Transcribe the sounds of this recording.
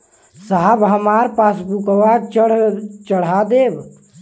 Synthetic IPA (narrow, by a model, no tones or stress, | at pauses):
saɦəbɦəmaːɾpasbukəwakt͡ʃɽt͡ʃəɽ̤ad̪eːb